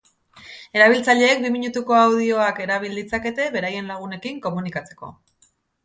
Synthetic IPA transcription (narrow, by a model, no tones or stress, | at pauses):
e̞ɾaβ̞ilt͡saʎe̞ːk̚bimiɲut̪uko̞awð̞io̞ake̞ɾaβild̪it͡sake̞t̪e̞βe̞ɾaje̞nlaɣ̞une̞kiŋko̞munikat͡se̞̥ko̞̰